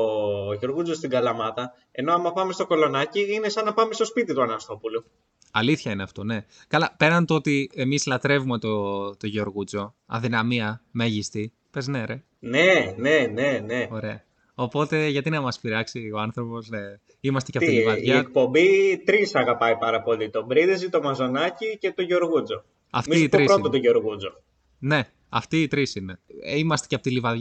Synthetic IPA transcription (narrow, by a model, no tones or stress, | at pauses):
oʝo̞ɾɣud͡zost̪iɡɐlɐmɐt̪ɐ | e̞no̞ɐmɐpɐme̞st̪o̞ko̞lo̞nɐciinesɐnːɐpɐmest̪o̞spit̪it̪uɐnɐst̪o̞pulu | ɐliθçɐineɐft̪o̞ne̞ | kɐlɐpe̞ɾɐnt̪oot̪ie̞mislɐt̪ɾe̞vume̞t̪ot̪o̞ʝeoɾɣud͡zo̞ | ɐ̰ðinɐmiɐme̞ʝist̪i | pe̞zne̞ɾe | neneneneo̞ɾe̞ɐ | o̞po̞t̪e̞ʝɐt̪inɐmɐspiɾɐksio̞ɐnθɾo̞po̞sne | imɐst̪e̞cepoilivɐʝɐek̚po̞mbit̪ɾisɐɣɐpɐipɐɾɐpo̞lit̪o̞bɾiðizit̪o̞mɐzo̞nɐcice̞t̪oʝoɾɣud͡zo̞ | ɐftmiit̪ɾisɾot̪ot̪oʝoɾɣud͡zo | ne̞ | ɐft̪iːt̪ɾisineimɐst̪ecɐpot̪ilivɐðʝɐ